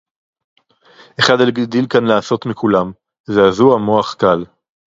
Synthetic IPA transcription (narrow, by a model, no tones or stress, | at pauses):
ʔe̞χad̪alɡd̪ilkanlaːso̞t̪mikʰulam | zeazuamoaχkal